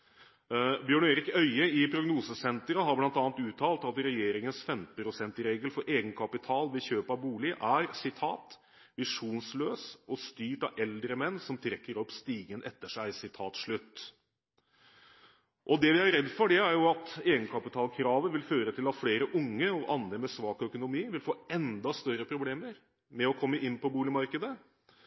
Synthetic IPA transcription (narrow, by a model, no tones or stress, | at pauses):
bjøːɳeːɾɪkœʏəɪpʰɾʊɡnuːsəsɛnt̪ɾəɦɑɾblɑnt̪ɑːnt̪ʉːt̪ʰɑːlt̪ɑt̪ɾɛjeːɾɪŋənsfɛmt̪̩pʰɾʊsɛnt̪ɾeːɡəlfɔɾʔeːɡənkʰɑpɪt̪ʰɑːlʋɪçøːpɑbuːlɪʔæɾsɪt̪ʰɑ̰ːt̪ | ʋɪʂuːnsløːsɔst̪yːʈɑʔɛld̪ɾəmɛnːsɔmt̪ʰɾɛkːəɾɔpːst̪iːɡənʔɛt̪ːəʂæɪsɪt̪ʰɑːt̪ʂɭʉt̪ː | ʔɔd̪ɛʋɪæɾɾɛd̪ːfɔɖɛæɾjʊɑt̪eːɡənkʰɑpɪt̪ʰɑːlkʰɾɑːʋəʋɪlføːɾət̪ʰɪlɑt̪fɽeːɾəʔʊŋːəɔʔɑnd̪ɾəmɛsʋɑːkœkʊnʊmiːʋɪlfoːɛnd̪ɑst̪œɾəpʰɾʊbleːməɾ | mɛɔkʰɔmːəʔɪnːpʰɔbuːlɪmɑɾkəd̪ə